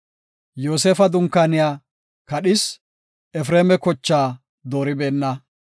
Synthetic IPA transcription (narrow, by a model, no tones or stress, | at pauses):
jo̞ːseːfɐd̪ʊŋkːanɪjaː | kɐɗɪs | ɛfɾeːmɛkɔt͡ʃːaː | d̪o̞ːɾɪbeːnːɐ